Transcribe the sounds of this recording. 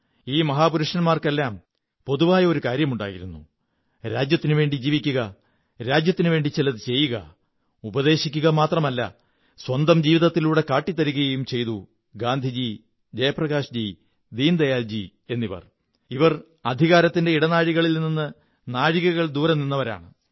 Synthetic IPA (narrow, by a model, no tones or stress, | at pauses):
iːmɐɦaːpuɾuʂɐnmaːrke̞lːaːm | po̞ðuʋaːjɐo̞ɾukaːɾjɐmuɳɖa̰ːjiɾunːṵ | ɾaːd͡ʑjɐt̪ːinɨʋe̞ːɳɖid͡ʑiːʋikʲːuɣɐ | ɾaːd͡ʑjɐt̪ːinuʋe̞ːɳɖit͡ɕilɐðɨt͡ɕe̞jːuɣɐ̰ | ubɐðe̞ːɕikʲːuɣɐmaːt̪rɐmɐlːɐ̰ | swɐnd̪ɐmd͡ʑiːʋiðɐt̪ːiluːɽe̞kaːʈːit̪ːɐɾuɣɐjɐjumt͡ɕe̞jt̪u | ɡaːnd̪ʱid͡ʑi | d͡ʑɐjɐprɐɣaːʂd͡ʑi | d̪iːnd̪ɐjaːld͡ʑi | e̞nːiʋɐ̰r | iʋɐr | ɐd̪ʱiɣaːɾɐt̪ːinde̞iɽɐnaːɻiɣɐɭilnnːinːɨ | naːɻiɣɐɣɐɭd̪uːɾɐmninːɐʋɐɾa̰ːɳɨ